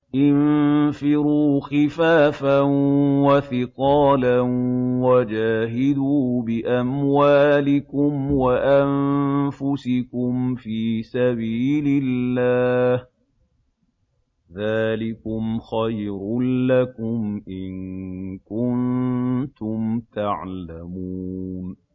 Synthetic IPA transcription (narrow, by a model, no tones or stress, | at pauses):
ʔɪnfɪɾuːxɪfaːfanwaθɪqɑːlanwad͡ʒaːɦɪd̪uːbɪʔamwaːlɪkʊmwaʔanfʊsɪkʊmfiːsabiːlɪlːaːh | ðaːlɪkʊmxajɾʊlakʊmʔɪnkʊnt̪ʊmt̪aʕlamuːn